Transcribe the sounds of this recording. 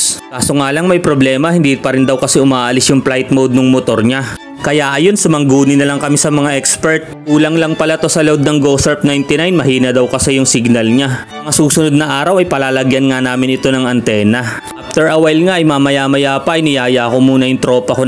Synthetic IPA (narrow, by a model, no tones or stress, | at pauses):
kaːsoŋaːlɐŋmɐjpɾoblɛːmɐhɪnd̪ipɐɾɪnd̪ɐwkɐsɛʔʊmaːʔɐlɪsjʊŋplajt̪̚mowd̪̚nʊŋmot̪o̞ɾɲa | kɐjaʔɐjo̞nsɐmɐŋɡuːnɪnɐlɐŋkɐmisɐmɐŋaʔɛkspɛɹt̪̚ʔuːlɐŋlɐŋpɐlɐt̪o̞sɐlod̪̚nɐŋɡosɛɹp̚najnt̪ɪnajnmɐhiːnɐd̪ɐwkɐsɛjʊŋsɪɡnɐlɲamɐŋasuːsʊnod̪̚nɐʔaːɾɐwɐjpɐlaːlɐɡjɐnŋanaːmɪnʔɪt̪o̞nɐŋɐnt̪ɛːnɐʔaft̪ɛɹʔɐwɛlŋaʔɐjmamɐjaːmɐjaːpɐʔɐjnɪjaːjaʔɐko̞muːnɐjʊŋt̪ɾo̞ːpɐko